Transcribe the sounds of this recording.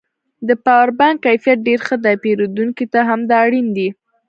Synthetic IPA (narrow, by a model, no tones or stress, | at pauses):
d̪əpɑwaɾbaŋkːajfijat̪̚ɖeɾxəd̪apeɾod̪uŋkit̪aɦamd̪ɑɽind̪i